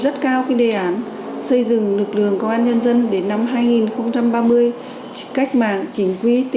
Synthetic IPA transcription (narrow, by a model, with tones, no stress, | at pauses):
zə˦˥t̚kaː˧wxi˧ɗe˨˩ʔaː˨˦n | sə˧jzɨ̰˧˨ŋlɨ˨˩k̚lɨ̰˧˨əŋkə˧wʔaː˧nɲə˧nzə˧nɗe˨˦nːa˧mɦaː˧jŋi˨˩nxə˧wŋ͡mt͡ɕa˧mɓaː˧mɨ˧əj | ka˦˥jk̟̚ma̰ː˧˨ŋt͡ɕï˨˦ŋ̟kwi˧t̪